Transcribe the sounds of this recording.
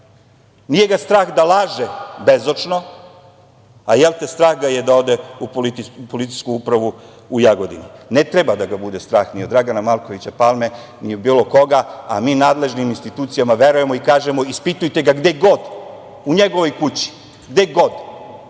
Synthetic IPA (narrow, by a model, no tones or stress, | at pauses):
nije̞ɡast̪ɾaːxd̪alˠaːʒebezot͡ʂno̞ | ajelt̪est̪ɾaːxɡaje̞d̪ao̞d̪eupolit̪iupo̞lit̪i̥jskuupɾaʋu | ujaɡo̞d̪ḭninet̪ɾebad̪aɡabud̪est̪ɾaːxniod̪ɾaɡanamalko̞ʋit͡ɕapalˠmenijebiːlˠo̞ko̞ɡaa̰miːnaːd̪le̞ʒniminst̪it̪uːt̪sijamaʋe̞ɾuje̞moikaːʒemo̞ispit̪ujt̪eɡaɡd̪eɡo̞d̪ | uɲeɡo̞ʋo̞jkut͡ɕi̥ | ɡd̪eɡo̞d̪